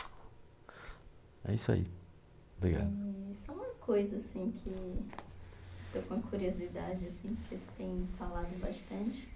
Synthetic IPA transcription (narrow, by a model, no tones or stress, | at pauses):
ɛ̰isa̰ḭ | obɾiɡa̰d̪isɐ̃w̃ũmɐkojzɐasĩkʰɪ | t̪owkõɐkuɾiozid̪ad͡ʒɪasĩkɪesʊ̥t̪ẽj̃falad̪ʊbaʃt̪ɐ̃nt͡ʃɪ̥